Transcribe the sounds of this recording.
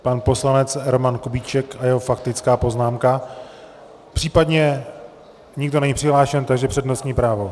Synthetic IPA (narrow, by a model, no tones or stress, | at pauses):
panpo̞slanɛt͡sɛɾomankobit͡ʃɛkajɛɦo̞fakt̪ɪt͡skaːpo̞znaːmka | pr̝̥iːpadɲɛ | ɲɪɡdonɛɲiːpr̥ɪɦlaːʃɛnt̪aɡʒɛpr̥ɛdnost̪ɲiːpɾaːvo